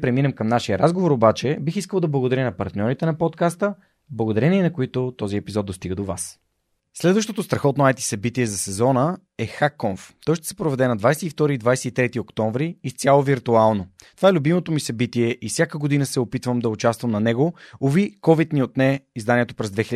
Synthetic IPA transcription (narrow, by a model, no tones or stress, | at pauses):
pɾɛminɛmkɐmnaʃiəɾazɡovoɾobat͡ʃɛbixiskəlˠd̪ɐblˠɐɡod̪ɐɾʲənɐpɐɾt̪nʲɔɾit̪ɛnɐpɔt̪kast̪ə | blˠɐɡod̪ɐɾɛniɛnɐkoit̪ʊt̪ɔziɛpizɔt̪d̪ost̪iɡəd̪ova̰s | slɛd̪vəʃt̪ot̪ost̪ɾɐxɔt̪noajt̪i̥sɐbit̪iɛzɐsɛzɔnə | ɛxakːɔɱft̪ɔjʃt̪ɛ̥sɛ̥pɾovɛd̪ɛnɐd̪vajsɛift̪ɔɾiːd̪vajsɛit̪ɾɛt̪iokt̪ɔ̃ɱvɾiːst̪ʲjalˠoviɾt̪ualˠnot̪ovaɛlʲʊbimot̪omisɐbit̪iɛʔifsʲjakəɡod̪inəsɛopit̪vəmd̪ɐʊt͡ʃast̪vəmnɐnɛɡoovikɔvit̪niot̪nɛizd̪aniɛt̪opɾɛzd̪vɛxil